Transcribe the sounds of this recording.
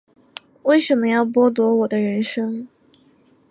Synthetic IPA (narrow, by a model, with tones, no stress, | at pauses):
we˥˩ɪʂə˧˥nmə˧˦jɑ˥˩ʊp̬wɔ˥t̪̬wɔ˧˥wɔ˨˩d̪ə˦ɻə˧˥nʂɤ˥ŋ